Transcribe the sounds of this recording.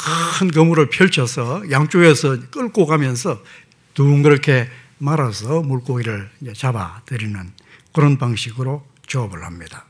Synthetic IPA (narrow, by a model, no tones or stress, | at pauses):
kakʰɯnk̬ʌmuɾɯɭpʰjʌɭt͡ɕʰʌsʰʌjaŋt͡ɕ͈oɡesʰʌk͈ɯɭk͈oɡamjʌnsʰʌ | tuːnkɯɾʌkʰe̞ | maɾasʰʌmuɭk͈oɡiɾɯɭd͡ʑet͡ɕaba̰tɯɾinɯn | kɯɾʌnpaŋɕʰiɡɯɾo | t͡ɕʌʌbɯɭhamɲid̥a